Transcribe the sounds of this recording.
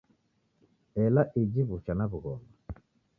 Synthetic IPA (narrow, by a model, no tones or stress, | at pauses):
ɛlaʔid͡ʒiβut͡ʃanaβuɣɔma